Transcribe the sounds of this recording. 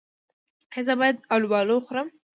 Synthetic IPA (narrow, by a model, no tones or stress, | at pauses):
hezəbɑjad̪̚awlwɑloxʊɾəm